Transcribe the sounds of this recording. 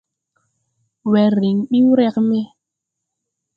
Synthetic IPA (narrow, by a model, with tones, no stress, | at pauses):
wɛ˨ɾi˨ŋɓi˦wɾɛ˦k̚mɛ˦